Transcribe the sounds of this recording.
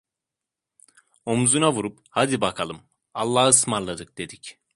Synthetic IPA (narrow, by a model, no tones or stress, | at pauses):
o̞muzunavuɾuphad̪ibakʰalˠɯm | alˠːaːhɯsmaɾlˠad̪ɯk̚d̪̥e̞d̪ic